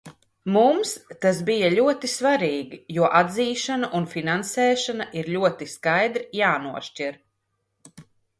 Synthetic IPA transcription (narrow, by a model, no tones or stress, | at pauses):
mumst̪asbijaʎʲuɔt̪isvaɾiːɡijuɔʔad̪ziːʃanaʔunfinansɛːʃanaʔiɾʎʲuɔt̪iskajd̪ɾijaːnuɔʃciɾ